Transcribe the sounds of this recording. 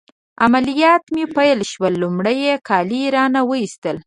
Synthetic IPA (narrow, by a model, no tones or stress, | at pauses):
amalijɑt̪mepajlʃwəlːumɽəjekʰɑliɾɑnawəist̪əl